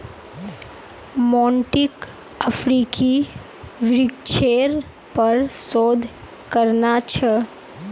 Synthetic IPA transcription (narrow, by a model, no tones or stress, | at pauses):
mɔːɳʈik | əpʰɾiki | ʋɾik̚t͡ʃʰeɾ | pəɾsod̪ʱ | kəɾnat͡ʃʰə